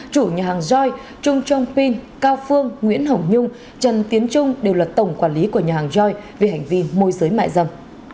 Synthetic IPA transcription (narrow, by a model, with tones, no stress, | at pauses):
t͡ɕu˧˩ɲaː˨˩haː˨˩ŋzɔ˧j | t͡ɕʊ˧ŋ͡mt͡ɕɔ˧wŋ͡mpi˧ŋkaː˧wfɨ˧əŋŋwḭ˧˥ənɦə˧˩wɲʊ˧ŋ͡m | t͡ɕə˨˩nt̪i˨˦ənt͡ɕʊ˧ŋ͡mɗe˨˩wlaː˨˩t̪ə˧˩wŋ͡mkwaː˧˩nli˨˦ku˧˩əɲaː˨˩haː˨˩ŋzɔ˧jve˨˩ɦa˨˩jŋ̟vi˧mo˧jzɨ˨˦jma̰ː˧˨jzə˧˩m